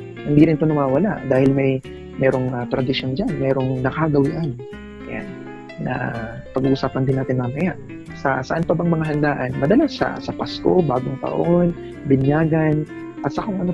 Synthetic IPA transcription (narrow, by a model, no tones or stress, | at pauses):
hɪnd̪iːɾɪnt̪onɐwaːwɐlaʔd̪aːhɪlmɐj | mɛːɾo̞ŋat̪ɾɐd̪ɪʃjond͡ʒanmɛːɾo̞ŋnɐkaɡɐwɪʔan | ɐja̰nː | ɐ̰ | pɐɡuːʔusaːpɐnd̪ɪnaːt̪ɪnmɐmɐjaʔ | sɐ̰sɐʔanpɐbɐŋmɐŋaɦɐnd̪aːʔɐnmɐd̪ɐlasɐ̰sɐpasko̞̰baːɡoŋt̪ɐ̰ʔo̞n | bɪnjaːɡɐn | ʔɐt̪sɐkoŋʔɐno